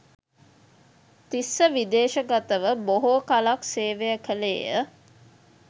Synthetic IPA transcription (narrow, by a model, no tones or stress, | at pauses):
t̪isːəʋid̪eːʃəɡat̪əʋəboɦoːkalakseːʋejəkʰəlḛːjə̰